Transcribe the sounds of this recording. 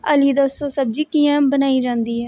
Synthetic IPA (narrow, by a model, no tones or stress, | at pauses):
ə̰liːd̪asoːsəb̚d͡ʒiːkiːãːbənaːiːd͡ʒãːnd̪iːɦɛː